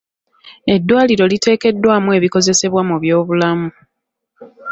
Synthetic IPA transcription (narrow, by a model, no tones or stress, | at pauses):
e̞dːwaːliɾo̞lite̞ːke̞dːwaːmue̞ːβiko̞ze̞se̞βwamuβjo̞ːβulamu